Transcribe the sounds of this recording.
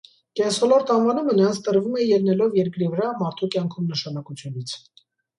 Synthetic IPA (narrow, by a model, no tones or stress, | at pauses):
kɛnsɔlɔɾt̪ɑnvɑnumənəɾɑnt͡sʰt̪əɾvumɛjɛlnɛlɔvjɛɾkɾivəɾɑmɑɾt̪ʰukjɑŋkʰumnəʃɑnɑkut͡sʰjunit͡sʰ